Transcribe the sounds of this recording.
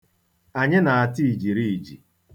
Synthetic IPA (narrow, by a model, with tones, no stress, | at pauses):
a˨ɲɪ˦na˨a˨ti˦i˨d͡ʒi˨ɾi˦˨i˨d͡ʒḭ˨